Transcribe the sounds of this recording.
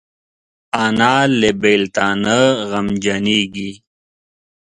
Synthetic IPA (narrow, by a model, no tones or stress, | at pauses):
anaːlebelt̪aːnəɣɐmd͡ʒɐniːɡi